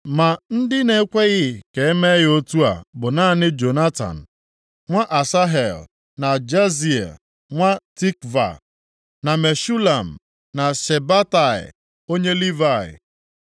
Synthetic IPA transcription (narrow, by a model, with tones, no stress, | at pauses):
ma˨n̩˦dɪ˦ne˦kʷe˦ɣɪ˦ke˨e˦me˦ɣɪ˦o˦tu˦a̰˨bʊ˨na˦nɪ˦d͡ʒo˨na˦ta̰˨n̩˨ | ŋʷa˦ʔa˨sa˦ɦe˨l | na˨d͡ʒa˦zi˨ḛ˨ | ŋʷa˦ti˦kva̰˨ | na˨me˨ʃu˦la˨m̩˨ | na˨se˨ba˦ta˨ɪ̰˨ | o˦ɲe˦li˦va˨ɪ̰˨